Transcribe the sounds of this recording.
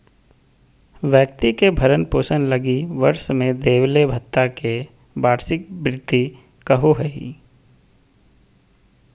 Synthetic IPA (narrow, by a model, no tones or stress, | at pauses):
ʋjək̚t̪ikebʱəɾənpoːsənləɡiʋɐɾʃmẽd̪eːʋlebʱət̪ːake | baːɾsɪk̚bɾɪt̪ːi | kəɦoɦɐḭ